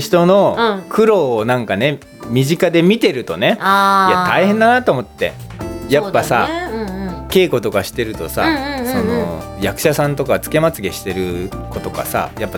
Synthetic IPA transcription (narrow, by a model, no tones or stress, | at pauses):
çi̥t̪o̞no̞kʰɯ̟ɾo̞ːnãŋkane̞ | mʲiʑikad̪e̞mʲit̪e̞ɾɯ̟t̪o̞ne̞ajat̪aihend̪anat̪o̞ːmo̞t̪ːe̞̰ | japːasa | ke̞ːko̞t̪o̞kaɕi̥t̪e̞ɾɯ̟t̪o̞sa̰so̞no̰jakɯ̟̥ɕasãnt̪o̞kat͡sɨ̥ke̞mat͡sɨɡe̞ɕi̥t̪e̞ɾɯ̟ko̞t̪o̞ka̰sa̰japːa